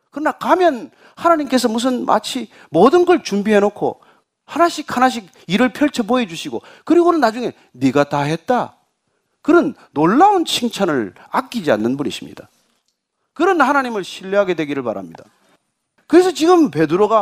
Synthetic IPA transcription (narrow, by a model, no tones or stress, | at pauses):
kɯɾʌnakamjʌn | hanaɲimk͈e̞sʰʌmus̬ʰɯnmʔa̰t͡ɕʰi | modɯnɡʌɭt͡ɕumbiɦe̞nokʰo̰ | hanaɕʰikʰhanaɕ̬ʰik̚iɾɯɭpʰjʌɭt͡ɕʰʌboe̞d͡ʑuɕʰiɡo̰ | kɯɾiɡonɯnad͡ʑuŋe̞ | niɡataɦe̞t̚t͈a | kɯɾʌnːoɭːaunt͡ɕʰiŋt͡ɕʰanɯɭak͈id͡ʑia̰nːɯnbunḭɕʰimɲḭd̥a | kɯɾʌnhanaɲimɯɭɕʰiʎːiɦaɡe̞dwe̞ɡiɾɯɭpa̰ɾa̰mɲid̥a̰ | kɯɾe̞s̬ʰʌt͡ɕiɡɯmpe̞dɯɾoɡa